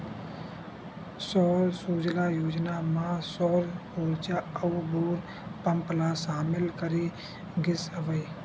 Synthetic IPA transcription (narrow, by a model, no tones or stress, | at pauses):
sɔːɾsuːd͡ʒlaːjoːd͡ʒnaːmãːsɔːɾoːɾt͡ʃaəubuːɾ | pəmplaːsaːmɪlkəɾiː | ɡɪsəʋəiː